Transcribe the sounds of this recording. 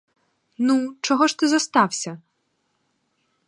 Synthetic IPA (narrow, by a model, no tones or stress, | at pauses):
nut͡ʃɔɦɔʃt̪ɪzɐst̪ɑwsʲɐ